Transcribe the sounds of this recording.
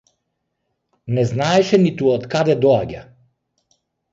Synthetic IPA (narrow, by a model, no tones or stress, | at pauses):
nɛznaɛʃɛnit̪uɔt̪kad̪ɛd̪ɔaɟa